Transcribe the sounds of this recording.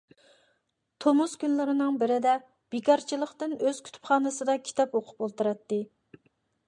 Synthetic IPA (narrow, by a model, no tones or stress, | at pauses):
t̪ʰomuskʲynlɪɾɪnɨŋbɪɾɪd̪ɛ | b̥ekʲʰɑɾt͡ʃʰilˠəχt̪ɪnøz̥kʲʰy̥t̪ʰy̥pχɑːnɨsɨd̪ɑkʲʰi̥t̪ʰɑpoqʰʊ̥polˠt̪ɨɾɛt̪ːɪ